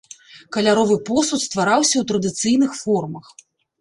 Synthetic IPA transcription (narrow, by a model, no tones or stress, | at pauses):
kɐlʲaɾɔvɨpɔsut̪st̪vaɾawsʲɐwt̪ɾɐd̪ɨt̪sɨjn̪ɨxfɔrmɐx